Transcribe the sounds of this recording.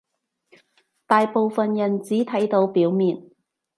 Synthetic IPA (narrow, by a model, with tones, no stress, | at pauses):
t̪aː˨jpo˨wfɐ˨njɐ˨˩nt͡siː˨˥t̪ʰɐ˨˥jt̪o˨˧˥wpiː˨˥wmiː˨n